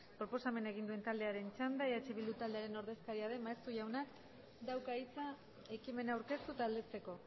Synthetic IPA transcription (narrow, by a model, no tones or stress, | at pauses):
pɾo̞po̞same̞nae̞ɣind̪ue̞nt̪ald̪e̞aɾe̞nt͡ʃand̪aeat͡ʃe̞βild̪ut̪ald̪e̞aɾe̞no̞ɾðe̞skaɾiaðe̞maest̪uʝawnak | d̪awkait͡sa | e̞kime̞nauwɾke̞st̪ut̪ald̪e̞t͡se̞ko̞